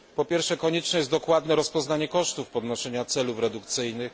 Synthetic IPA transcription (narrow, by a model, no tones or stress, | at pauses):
pɔpʲjɛɾfʂɛkɔɲɛt͡ʂnɛjɛzd̪ɔkwad̪nɛɾɔspɔznaɲɛkɔʂt̪ufpɔd̪nɔʂɛɲat̪sɛlufɾɛd̪ukt̪sɘjnɘx